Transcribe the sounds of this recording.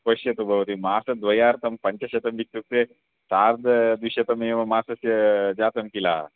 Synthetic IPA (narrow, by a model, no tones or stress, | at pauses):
pɐʃjɐt̪ubʱɐʋɐt̪imaːsɐd̪ʋɐjaːɾt̪ɐmpɐɲt͡ʃɐʃɐt̪ɐmʋikt̪uk̚t̪e | saːɾd̪ɐd̪iɕɐt̪ɐmeːʋɐmaːsɐsjɐd͡ʒaːt̪ɐmkila̰ː